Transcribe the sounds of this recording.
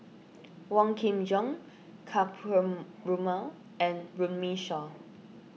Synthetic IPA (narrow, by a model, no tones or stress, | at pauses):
wɔ̃ŋkʰĩmd͡ʒɔ̃ŋ | kʰap | ɹumal | ɛ̃nɹũnmiʃɔ